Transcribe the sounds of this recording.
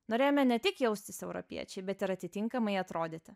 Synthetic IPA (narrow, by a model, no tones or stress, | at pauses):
noːɾʲeːjoːmʲɛnʲɛt̪ʲɪkjɛʊsʲt̪ʲɪsɛʊɾɔ̰pʲḭɛt͡ʃʲɛɪbʲɛt̪ɪɾɐt̪ʲɪt̪ʲɪŋkɐmɐɪɐt̪ɾoːd̪ʲet̪ʲɪ